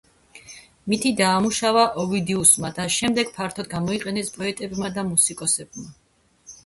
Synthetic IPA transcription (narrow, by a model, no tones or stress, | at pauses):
mit̪ʰid̪aːmuʃavaʔɔvid̪iusmad̪aʃɛmd̪ɛɡ̥pʰaɾt̪ʰɔd̪ɡamɔiqʼɛnɛspʼɔɛt̪ʼɛbmad̪amusikʼɔsɛb̚ma